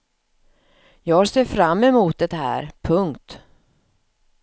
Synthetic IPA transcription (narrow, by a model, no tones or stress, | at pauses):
jɑːɡhaseːfɾamːɛmuːt̪̚d̪ɛt̪ɦæ̰ːɾpʰɵŋkt̪